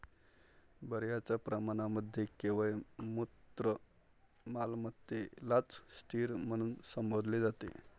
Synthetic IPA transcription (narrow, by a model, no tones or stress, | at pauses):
bəɾjat͡ɕapɾəmañaməd̪ʱːjekeʋəemut̪ɾə | malmət̪ːelat͡sst̪ʰiːɾm̤əɽ̃uːnsəmbod̪ʱled͡zat̪ḛ